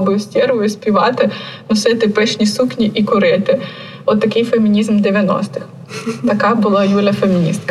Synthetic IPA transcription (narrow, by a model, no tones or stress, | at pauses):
bɨsʲtʲɛrʋʊjʊsʲpʲiʋɑt̪ɪnʊsɛt̪ɪpɛʃnʲisuknʲiʔikʊɾɪt̪ɪ | ɔt̪ːɐkɪjfemʲinʲizmd̪eʋʲjɐnɔ̰st̪ɪx | t̪ɐkabʊlˠajulʲɐfemʲinʲist̪kɐ